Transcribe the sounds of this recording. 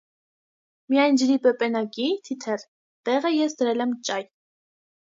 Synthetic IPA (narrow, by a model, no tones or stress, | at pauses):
mijɑjnd͡ʒəɾipɛpʼɛnɑkit̪ʰit̪ʰɛr | t̪ɛʁəjɛsd̪əɾɛlɛmt͡ʃʼɑj